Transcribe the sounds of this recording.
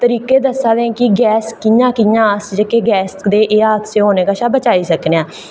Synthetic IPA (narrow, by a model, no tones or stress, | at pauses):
t̪əɾiːkeːd̪əsaːd̪eːkɪɡɛːskɪjãːkɪjãːəsd͡ʒəkeːɡɛːsd̪eːʔeːaːd̪seːɦoːneːkaːʃaːbət͡ʃaːiːsəkneãː